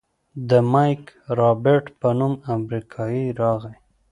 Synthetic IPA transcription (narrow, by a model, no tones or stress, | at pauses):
d̪əmɑjkɾɑbɪɾʈpənumamɾikʰɑjiɾɑɣaj